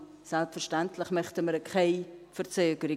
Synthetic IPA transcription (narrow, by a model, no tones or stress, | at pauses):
sɛlpfərʃtantʰləχmœχtəməɾəkʰeɪfəɾt͡søːkəɾɪ